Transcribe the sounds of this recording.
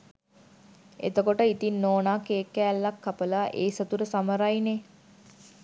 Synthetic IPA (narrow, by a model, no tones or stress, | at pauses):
ḛt̪əkoʈəit̪inːoːnaːkeːkːæːlːakːapəlaʔeːsət̪uɾəsaməɾajne